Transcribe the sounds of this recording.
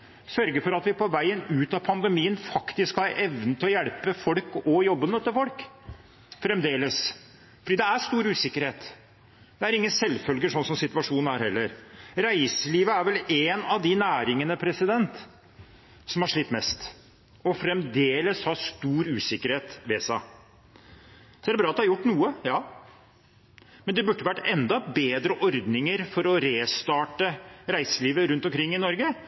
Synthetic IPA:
sœɾɡəfɔɾɑt̪ʋɪpʰɔʋæɪənʉːt̪ɑpʰɑnd̪əmiːənfɑkt̪ɪskhɑɾɛʋnət̪ʰɪlɔjɛɽpəfɔlkɔjɔbːənəœt̪ːəɾfɔlk | fɾɛmd̪eːləs | fɔɖiːd̪ɛæʂt̪uːɾʉːsɪkːəɾheːt̪ | d̪̥ɛæɾɪŋːənsɛlːfœlɡəʂɔnsɔmsɪt̪ʋɑʂuːnn̩æɾhɛlːəɾɾæɪsəliːʋəæɾʋɛleːnɑʋd̪ɪnæːɾɪŋənəpʰɾɛsɪd̪ɛnt̪ | sɔmhɑʂɭɪt̪ːmɛst̪ | ɔfɾɛmd̪eːləshɑst̪uːɾʉːsɪkːəɾheːt̪ʋeːsɑ̰ | sɔæɖɛbɾɑːt̪̚d̪hɑjʊʈːnuːəjɑː | mɛnd̪ɛbʉʈːəʋæʈːɛnd̪ɑbeːd̪ɾəʔɔɾd̪nɪŋəɾfɔɾɔɾeːst̪ɑːʈəɾæɪsəliːʋəɾʉnt̪ɔmkʰɾɪŋːɪnɔɾɡə

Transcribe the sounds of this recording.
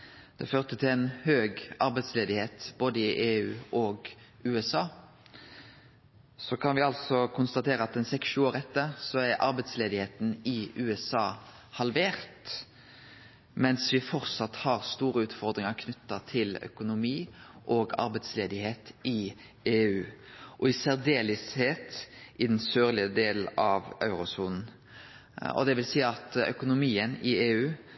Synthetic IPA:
d̪̥ɛføːʁt̪ʰət̪ʰɪlɛɪnhøːɡɑɾbɛt̪sleːd̪ɪheːt̪b̥oːd̪əɪʔeːʉ̰ːɔːɡ | ʉːɛsɑː | sɔkʰɑnʋɪɑlsɔkʰʊnst̪ɑt̪ʰeːɾəɑt̪ɛnsɛksʃʉːoːʁɛt̪ːəɾsɔæɾʔɑ̰ɾbɛɪt̪sleːd̪ɪheːt̪n̩ɪʔʉːɛsɑː | hɑlʋeːʁt̪ | mɛnsʋɪfɔɾt̪sɑt̪ːhɑʁst̪uːɾəʉːt̪fɔɾd̪ɾɪŋəʁkʰnʏt̪ːɑt̪ʰɪlœ̰kʊnʊmiːʔɔɡɑ̰ɾbɛɪt̪sleːd̪ɪheːt̪ɪ | eːʉːʔɔɪseʁd̪eːlɪsheːt̪ɪd̪ɛnsøːɾlɪəd̪eːlɑʋɑ̰ʉɾʊsuːnn̩ | ɔ̰d̪ɛʋɪlsiːɑt̪œ̰kʊnʊmiːənɪeːʉː

